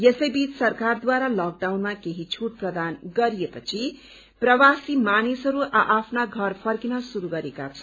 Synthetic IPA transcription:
jesʌjbit͡ssʌrkard̪waɾalak̚ɖawnmakeɦit͡sʰuʈ̚prʌd̪anɡʌɾijepʌt͡sʰi | prʌwasimanisɦʌɾuʔaʔapʰnaɡʱʌrpʰʌrkinʌsuɾuɡʌɾeka̰t͡sʰʌ̥

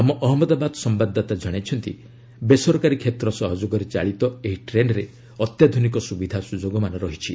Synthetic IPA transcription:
amɔʔɔɦɔmɔd̪abad̪ɔsɔmbad̪ːat̪ad͡ʒɔɽ̃et͡ʃʰɔnt̪ḭ | besɔɾɔkaɾikʰet̪ɾɔsɔɦɔd͡ʒoɡɔɾet͡ʃa̰ɭit̪ɔeɦiʈɾenɖɾe | ɔt̪jad̪ʱunikɔsubid̪ʱasud͡ʒoɡɔmanɔɾɔɦit͡ʃʰi

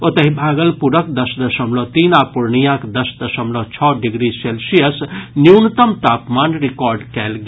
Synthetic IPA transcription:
ot̪ɐɦibʱaːɡəlpuɾəkd̪əsd̪əsəmlɔt̪iːnapuɾɳijãkd̪ɐsd̪əsəmlɔt͡ʃʰɔɖiɡɾiselsijəsniwnt̪əmt̪aːpmaːnɾikɔːɾɖkɛlɡ

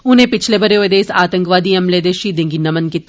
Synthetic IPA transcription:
ʊnɦẽpɪt͡ʃʰlebʱɐɾeoed̪eːsaːt̪ə̃ŋkʋaːd̪iɐmleːd̪eʃid̪ẽːŋɡinɐmənkit̪ː

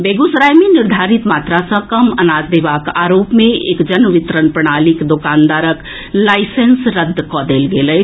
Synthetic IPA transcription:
beːɡusɾaːjmẽnɪɾd̪ʱaːɾit̪maːt̪ɾasə̃kɐmənaːd͡ʒd̪eːʋaːkaːɾoːpmẽḛːkd͡ʒənʋɪt̪ɾənpɾəɽ̃aːlikd̪okaːnd̪aːɾək | laːɪsensɾəd̪ʱːkɔːd̪eːlɡeːləj

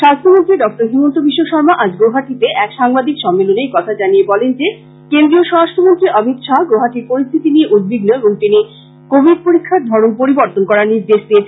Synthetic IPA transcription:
ʃast̪ʰomont̪ɾiɖɔk̚ʈoɾɦimont̪obiʃːoʃɔɾmaʔad͡ʑɡoɦaʈit̪eʔɛkʃaŋbad̪ʱikʃɔmːelonekɔt̪ʰad͡ʑaniebɔlend͡ʑe | kend̪ɾioʃɔɾasʈʰomont̪ɾiʔɔbʱit̪ʃɔɡoɦaʈiɾpoɾist̪ʰit̪inieʔud̪̚bʱiɡnoeboŋt̪ini | kobʱid̪poɾikʰːaɾd̪ʱɔɾonpoɾiboɾt̪onkɔɾaɾniɾd̪eʃd̪ie

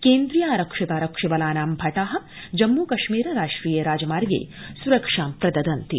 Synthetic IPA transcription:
keːnd̪ɾijaːɾɐkʂɐt̪aːɾɐkʂiʋɐlaːnaːmbʱɐʈaːɦɐ̆ | d͡ʒɐmːuːkɐʃmiːɾɐɾaːʂʈɾiːjeɾaːd͡ʒɐmaːɾɡḛː | suɾɐkʂaːmpɾɐd̪ɐd̪ɐnt̪ḭ

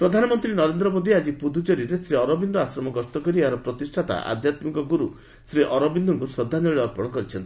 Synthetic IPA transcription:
pɾɔd̪ʱanɔmɔnt̪ɾinɔɾend̪ɾɔmod̪ʱiad͡ʒipud̪ʱud͡ʒɔɾiɾesɾiɔɾɔbind̪ɔasɾɔmɔɡɔst̪ɔkɔɾiaɾɔpɾɔt̪isʈʰat̪a̰ʔa̰d̪ʱjat̪mikɔɡuɾu | sɾiʔɔɾɔbind̪ʱɔŋkusɔd̪ʱːanɔɭiɔɾpɔɽ̃ɔkɔɾit͡ʃʰɔnt̪i

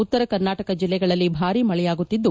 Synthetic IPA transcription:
ut̪ːɐɾɐkɐɾnaːʈɐkɐd͡ʒilːɛɡɐɭɐlːibʱaːɾimɐɭɛjaːɡut̪ːid̪ːu

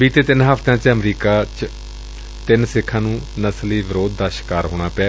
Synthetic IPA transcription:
ʋiːt̪eːt̪ɪnɦəft̪ãːt͡ʃəmɾiːkaːt͡ʃ | t̪ɪnsɪkʰːãːnũːnəsliːʋɪɾoːd̪ːaːʃɪ̥kaːɾɦoːɽ̃aːpɛː

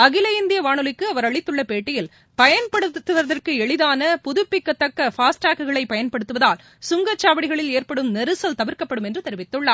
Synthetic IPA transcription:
ɐɣɪlɐjɪnd̪ɪjɐʋaːɳɯlɪkːɯɐʋɐɾɐɭɪt̪ːɯɭːɐpeːʈːɪjɪl | pɐjɐnpɐɽɯt̪ːɯʋɐðɐrkɯɛɭɪðaːnɐpʊðʊpːɪkːɐt̪ːɐkːɐfaːsʈaːkɯɣɐɭɐɪpɐjɐnpɐɽɯt̪ːɯʋɐðaːl | sʊŋɡɐt͡ʃːaːʋɐɽɪɣɐɭɪleːrpɐɽɯmnɛɾɯsɐlt̪ɐʋɪɾkɐpːɐɽɯmɛndrɯt̪ɛɾɪʋɪt̪ːɯɭːɐː

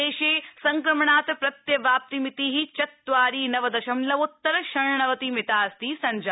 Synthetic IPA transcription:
eːʃeːsɐŋkɾɐmɐɳaːt̪pɾɐt̪jɐbaːp̚t̪imit̪iɦit͡ʃɐt̪ːʋaːɾiːnɐʋɐd̪ɐʃɐmlɐʋut̪ːɐɾɐʃɐɾɳɳɐʋɐt̪imɪt̪aːst̪iːsɐɲd͡ʒa

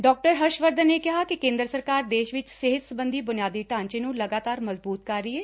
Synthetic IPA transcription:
ɖɔːk̚ʈəɾɦəʃʋəɾd̪əneːkɪɦaːkikẽːnd̪ɾəsəɾkaːɾd̪eːʃʋɪt͡ʃsɪɦɪt̪səbənd̪iːbʊnɪjaːd̪iːʈãːɲt͡ʃẽːnũːləɡaːt̪aːɾməzbuːt̪̚kəɾːiːɛː

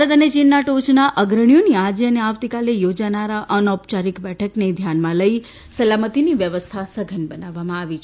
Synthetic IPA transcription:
ət̪ənet͡ʃinːaʈot͡ʃnaʔəɡɾəɳ̃joniad͡ʒeəneaʋt̪ikalejod͡ʒanaɾaʔənɔpt͡ʃaɾikbɛʈʰəkned̪ʱjanmãləi | səlamət̪iniʋjəʋəst̪ʰasəɡʱənbənaʋːamãaʋit͡ʃʰ

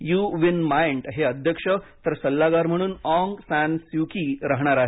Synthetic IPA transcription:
juʋinmajɳʈɦeəd̪ʱjəkʂət̪əɾsəlːaɡaɾm̤əɽ̃uːnɔŋɡsænsikiɾaɦɳ̃aɾaɦe

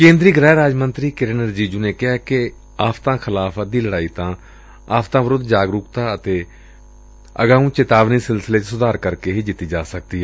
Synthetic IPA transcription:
kẽːnd̪ɾiːɡɾɛːɾaːd͡ʒmənt̪ɾiːkɪɾɪnəɾd͡ʒiːd͡ʒuːneːkɪɦaːkɪ | aːfʰt̪ãːkʰɪlaːpʰəd̪iːləɽaːiːt̪ãː | aːfʰt̪ãːʋəɾʊd̪d͡ʒaːɡɾʊkt̪aːət̪eː | əɡaːũːt͡ʃɪt̪aːʋniːsɪlsɪleːt͡ʃsʊd̪aːɾkəɾkeːɦiːd͡ʒɪt̪ːiːd͡ʒaːsək̚d̪iːɦɛː

